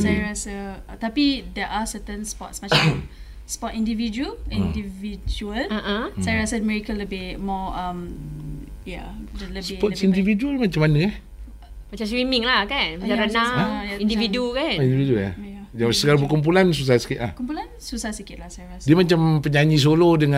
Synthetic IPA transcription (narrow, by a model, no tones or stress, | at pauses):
sajɹasət̪apidɛʔasət̪ə̃nspɔ̰tsmat͡ʃã | spɔtindivid͡ʒuəlĩndivid͡ʒuəlaʔsajɾasəmɛɹikələbɪmɔãm | ja̰dələbspɔtsindivid͡ʒuəlmat͡ʃamanəka | mat͡ʃamswimĩŋlahkanjaaɾənajaĩndividukanindividuja̰jad͡ʒasəkalabəkump̬ulans̬us̬ahsə̥kɪt̪̚la̰hkumpulansusahsəkɪt̚lahsajɹasdiəmat͡ʃampəɲaɲis̬olodəŋã